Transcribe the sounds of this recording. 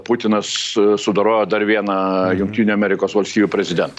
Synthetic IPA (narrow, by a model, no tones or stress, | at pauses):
pʊt̪ʲɪnɐssʊd̪ɐɾoːjoːd̪ɐɾʋʲiɛnɐjʊŋkt̪ʲiːnʲʊɐmʲɛɾʲɪkoːsʋɐlʲsʲt̪ʲiːʋʲupʲɾʲɛzʲɪd̪ʲɛnt̪ɐ